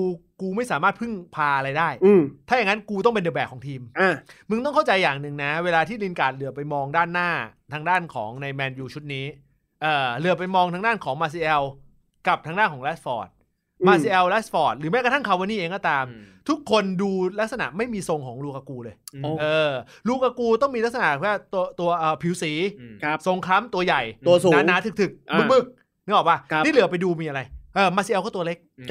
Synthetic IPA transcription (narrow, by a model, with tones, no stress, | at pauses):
kuː˧kuː˧ma˥˩jsaː˩˦maː˥˩t̪̚pʰɯ˥˩ŋpʰaː˧ʔa˧ɾa˧jdaː˥˩jt̪ʰa˥˩ja˨ŋa˦˥nkuː˧t̪ɔ˥˩ŋpe˧ndɤː˧˩bɛː˨˩kʰɔː˩˦ŋt̪ʰiː˧ma˧˩mɯ˧ŋt̪ɔ˥˩ŋkʰa˥˩wt͡ɕa˧jːaː˨˩ŋnɯ˨˩ŋna˦˥weː˧laː˧t̪ʰiː˥˩li˧nkaː˨˩t̪̚lɯ˨˩əpa˧jmɔː˧ŋdaː˥˩nːaː˥˩t̪ʰaː˧ŋdaː˥˩nkʰɔ̰ː˩˦ŋna˧jmɛː˧njuː˧˩t͡ɕʰu˦˥t̪̚niː˦˥ | ʔɤː˨˩lɯ˨˩˦əp̬a˧jmɔː˧ŋt̪ʰa˦˥ŋdaː˥˩nkʰɔː˩˦ŋmaː˧s̬i˧ʔɛ˧w | ka˨˩p̚t̪ʰaː˧ŋdaː˥˩nkʰɔː˩˦ŋlɛː˦˥s̚fɔː˨˩t̪̚ | maː˧si˧˥ʔɛ˧wlɛː˦˥sfɔː˨˩t̪̚lɯː˩˦mɛ˦˥ka˧t̪ʰa˥˩kʰa˧wa˧˦nːiː˥˩ʔeː˧ŋkɔː˥˩t̪aː˧mt̪ʰu˦˥kʰːo˧nduː˧la˦˥k̚sa˧na̰˨˩ʔma˥˩jmiː˧so˧ŋkʰɔː˩˦ŋɾuː˧kaː˧kuː˧lɤː˧jʔɤː˧ | ɾuː˧kaː˧kuː˧t̪ɔ˥˩ŋmiː˧la˥k̚sa˧na̰˨˩ʔkʰːt̪u˧ɐt̪u˧ɐʔɤː˨˩pʰi˨˩˦wsiː˩˦so˧ŋkʰa˦˥mt̪u˧ɐja˨˩jt̪u˧ɐsu˨na˦nːaː˨˦t̪ʰɯ˨˩kt̪ʰɯ˨˩k̚mɯ˦˩kmɯ˥˩k̚ | n˧˦˥ʔɔː˨˩waː˧˩˦niː˥˩lɯ˩˦ɐ˦pa˧jduː˧miː˧ʔa˧ɾa˧jʔɤː˧maː˧si˧ɛ˧wkɔː˥˩t̪ːɐ˧le˦˥k̚